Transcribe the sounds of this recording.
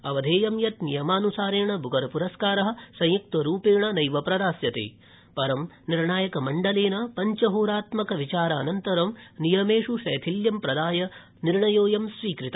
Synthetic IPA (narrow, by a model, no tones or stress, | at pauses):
ɐʋɐd̪ʱeːjɐmjɐt̪nijɐmaːnusaːɾeːɳɐbʱuɡɐɾɐpuɾɐskaːɾɐɦɐ̆sɐ̃jjuk̚t̪ɐɾuːpeːɳɐnɐjʋɐpɾɐd̪aːsjɐt̪ḛː | pɐɾɐmniɾɳaːjɐkɐmɐɳɖɐleːnɐpɐɲt͡ʃɐɦoːɾaːt̪mɐkɐʋit͡ʃaːɾɐːnɐnt̪ɐɾɐmnijɐmeːʂuʂɐːt̪ʰiljɐmpɾɐd̪aːjɐ | niɾɳɐjoːjɐmʃɾiːkɾit̪ɐ